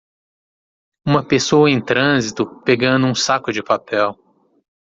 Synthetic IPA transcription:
ũmɐpesowɐẽj̃t̪ɾɐ̃zit̪ʊpeɡɐ̃nd̪ʊũsakʊd͡ʒɪpapɛw

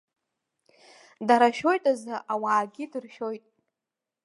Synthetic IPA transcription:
daɾaʃo̞jtʼazɨʔawaːɡʲidɨrʃo̞jtʼ

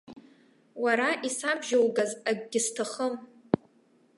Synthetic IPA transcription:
waɾaʔisabʒalɡazaɡʲɡʲɪstʰaχəm

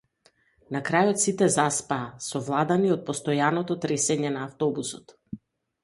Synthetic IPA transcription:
nakɾajɔt̪sit̪ɛzaspaːsɔvlˠad̪aniɔt̪̚pɔst̪ɔjanɔt̪ɔt̪ɾɛsɛɲɛnaːft̪ɔbusɔt̪

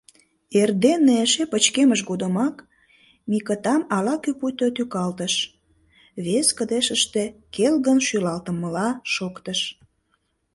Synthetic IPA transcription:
erd̪eneeʃepət͡ɕkeməʃ̬ɡod̪əmɑk | mikət̪ɑmɑlɑkyput̪øt̪ykɑlt̪əʃ | βeskəd̪eʃəʃt̪ekelɣənʃylɑlt̪ə̆mːəlɑʃokt̪əʃ

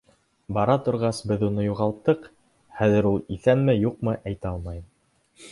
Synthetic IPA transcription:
bɑɾɑt̪ŏɾʁɑsbɘðunɤjuʁɑlˠt̪ːɤq | χæðɘ̆ɾulˠiθænmɘjuqmɤʔæjt̪æɑlˠmɑjɤm

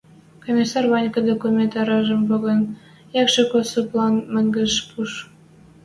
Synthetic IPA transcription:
komʲisɑrβɑnʲkɤd̪okumʲent̪ɑɾɑʒə̆mpoɣə̆n | jɑkʃekosoplɑnmə̆ŋɡə̆ʃpuʃ

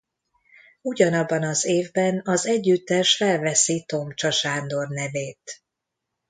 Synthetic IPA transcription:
uɟɒnɒbːɒnɒzeːvbɛnɒzɛɟːyt̪ːɛʃfɛlvɛsit̪o̞mt͡ʃɒʃaːnd̪o̞rnɛveːt̪

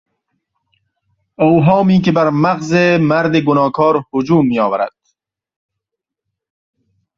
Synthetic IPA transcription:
owɦɔːmiːkebaɾmaqzemaɾd̪iɡʊnɔːkʰɔːɾhʊd͡ʒuːmːijɒːwaɾa̰d̪̥̚

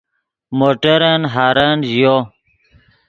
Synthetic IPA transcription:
moʈəɾɐnɦaːɾanʑjo

